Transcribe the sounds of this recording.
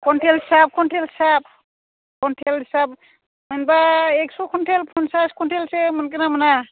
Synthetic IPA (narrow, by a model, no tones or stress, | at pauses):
kʰɔntʰelɦisap̚kʰɔntʰelisap̚ | kʰɔntʰelhisap̚ | mɯnbaeksukʰɔntʰelpʰɔnsaskʰɔntʰelsemɯnkenamɯna